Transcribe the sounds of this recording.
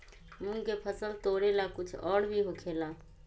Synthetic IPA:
munkepʰəsəlt̪oɽelakut͡ʃʰɔːɽbʱiɦokʰela

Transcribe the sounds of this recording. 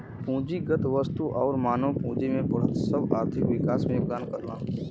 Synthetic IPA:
pũːd͡ʒiɡət̪ʋəst̪uʔɔːɾmaːnopũːd͡ʒimẽbɐɽ̤ət̪səbaːɾt̪ʰɪkʋɪkaːsmẽʊp̚ɡ̪aːnkəɾlã̰ː

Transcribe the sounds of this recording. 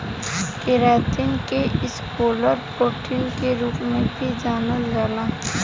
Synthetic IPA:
kɪɾaːt̪ɪŋkeɪskoːləɾpoːʈʰɪŋkeɾuːkmẽbʱid͡ʒaːnəlɾaːlaː

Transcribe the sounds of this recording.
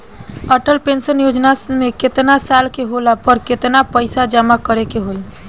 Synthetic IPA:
əʈəlpensənjod͡ʒnameket̪nasalkeɦolapəɾket̪napəɪsad͡ʒəmakəɾekeɦoi

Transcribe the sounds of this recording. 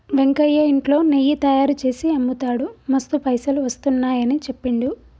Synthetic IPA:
ʋeŋkɐjːɐiɳʈlo̞ːnejːit̪ɐjaːɾut͡ʃe̞ːsiɐmːut̪aːɽumɐst̪upɐjsɐluʋɐst̪unːaːjɐnit͡ʃe̞pːiɳɖu

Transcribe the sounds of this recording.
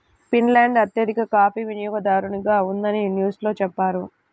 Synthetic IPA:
pinlaːɳɖɐt̪jɐd̪ikɐkaːpiʋinjɔːɡɐd̪aːɾuɳiɡaːund̪ɐninjuːslo̞ːt͡ʃɛpːaːɾu

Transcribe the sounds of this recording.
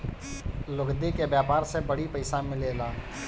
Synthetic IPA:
lʊɡd̪ikebjaːpaːɾsebəɽipəɪsamɪleːlaː

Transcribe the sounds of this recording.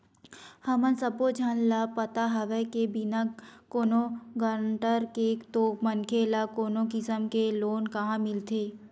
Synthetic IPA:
hɐmənsəbod͡ʒʱanlapət̪aɦɐʋekebinakoːnoɡəɾɳʈəɾkekt̪oːmənkʰelakoːnokɪsəmkeloːnkɐɦãmɪlt̪ʰeː

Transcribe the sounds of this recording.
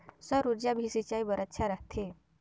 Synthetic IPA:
səɾuɾd͡ʑabʱisit͡ɕaibəɾət̪ːɕʰaɾaɦt̪ʰe

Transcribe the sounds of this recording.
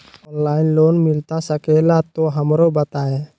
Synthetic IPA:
ɔnlaɪnlonmilt̪asəkelat̪oɦəmɾobət̪ae

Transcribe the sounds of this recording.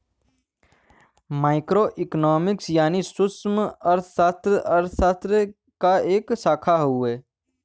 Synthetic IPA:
maːɪkɾoʔɪknɔːmɪksjaːnisʊsməɾt̪ʰsast̪ɾəʔəɾt̪ʰsat̪ɾə | kaeːksaːkʰaɦueː

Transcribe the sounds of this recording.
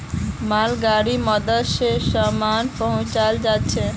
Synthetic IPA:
malɡaɽimɔd̪aʃeʃɔmanpɔɦõt͡ɕald͡ʑatːɕʰe

